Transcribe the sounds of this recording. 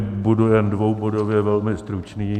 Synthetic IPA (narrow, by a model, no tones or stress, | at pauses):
budujɛndvowbodovjɛvɛlmɪst̪ɾut͡ʃniː